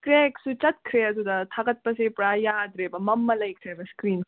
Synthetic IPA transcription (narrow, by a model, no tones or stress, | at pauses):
kɾeksut͡ʃɐt̪̚kʰɾeɐd̪ud̪ɐt̪ʰaɡɐt̪̚pɐsepɾajaːd̪ɾebɐmɐmːɐlɐjkʰɾebɐskɾiːn